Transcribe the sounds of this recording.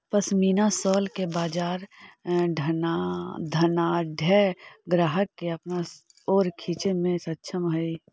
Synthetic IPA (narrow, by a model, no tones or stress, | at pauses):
pəsmiːnasɔːlkebaːd͡ʒaːɾɖʱənad̪ʱɐnaɖʱɛːɡɾaːɦəkːeɐpna | oːɾkʰiːt͡ʃemẽsɐtːʃʰəmɦəi